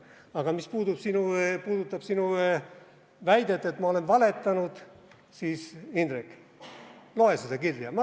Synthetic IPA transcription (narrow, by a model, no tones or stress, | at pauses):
ɑɡ̥ɑmispuːd̪ub̥sinupuːd̪ut̪ːˑɑb̥sinu | væjd̪̥e̞t̪ːˑet̪ːmɑo̞le̞nvɑle̞t̪ˑːɑnud̪̥ | siːsind̪ɾikːˑ | lo̞e̞sed̪̥ɑkilːiɑmɑ